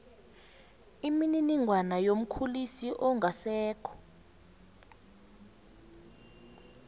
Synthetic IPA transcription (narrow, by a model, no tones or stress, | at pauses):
imininiŋʱwanajom̩kʰulisiʔɔŋɡʱasɛːkʰɔ̥